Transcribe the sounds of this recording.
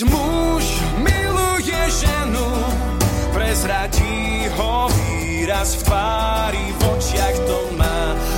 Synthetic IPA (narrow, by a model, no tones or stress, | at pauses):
mu | ʃ | milujɛʒɛnu | pɾɛzɾaɟi | ɦɔvi | ɾast̪a | ɾivɔt͡ʃjakt̪ɔmaː